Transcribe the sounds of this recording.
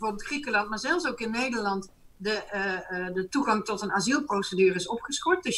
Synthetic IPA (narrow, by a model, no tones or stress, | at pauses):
vorbɪlˠtxrikəlɑnt̚maːɹzɛlˠfsoːkɪnːejdəɹlɑntdə | dətuɣɑŋtɔtənazilˠprowsədyːrəɪsɔpχəskɔɹt̚døs